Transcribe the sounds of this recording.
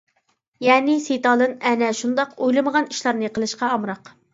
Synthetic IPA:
jɛːnɪset̪ɑːd̪ˠɨnɛnɛʃund̪ɑqojlˠɨməʁɑniʃlˠɑɾnɨqəlˠɨʃqɑɑmɾɑq

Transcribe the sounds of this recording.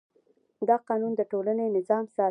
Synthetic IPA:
d̪ɑqɑnund̪əʈolanenɪzɑmsɑ

